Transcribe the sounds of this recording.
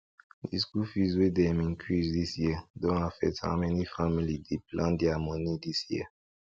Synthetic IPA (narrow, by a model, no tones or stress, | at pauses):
diskufizedɛmĩnkʰizdisjɛdɔ̃afɛ̰tã̰mɛnifamilidiplãd̪iamɔnidisjɛ̰